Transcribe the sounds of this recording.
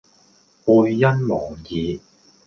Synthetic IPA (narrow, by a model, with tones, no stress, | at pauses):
puː˧jːɐ˥nmɔː˨˩ŋjiː˨˧